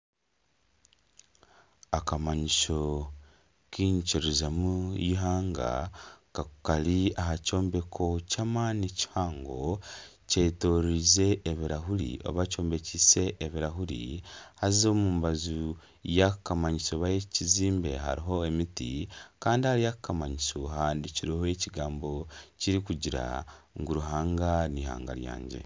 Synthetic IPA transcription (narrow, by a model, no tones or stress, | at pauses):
akamaɲiʃo̞ | kiːɲt͡ʃiɾizamujiɦaːŋɡa̰kakaliaɦaco̞ːmbe̞kʰo̞camanici̥haːŋɡo̞cetoɾize̞ʔːβiɾaɦulḭo̞̰βat͡ʃo̞ːmbe̞cise̞ʔːβiɾaɦuɾḭhazo̞muːmbazu | jakukamaɲisoβajeciziːmbe̞ɦa̰ɾiɦo̞emitḭkaːndihaɾijakukamaɲisoɦaːndiciɾihoeciɡaːmbo̞ciɾikuɟiɾa̰ŋɡuɾuɦaːŋɡaniha̰ːŋɡa̰ɾja̰ːɲɟe̞̰